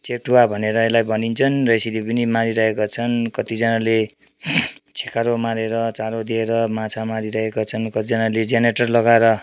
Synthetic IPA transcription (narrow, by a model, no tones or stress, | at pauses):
t͡sek̚ʈuwabʱʌneɾʌelajbʱʌnint͡sʰʌnrʌesilipʌnimaɾiɾʌɦekot͡sʰʌnkʌt̪id͡zʌnale | t͡sʰekaɾomaɾeɾʌt͡saɾod̪ieɾʌmãt͡sʰamaɾiɾʌɦekot͡sʰʌnkʌt̪id͡zʌnaled͡zeneʈʌrlʌɡaeɾʌ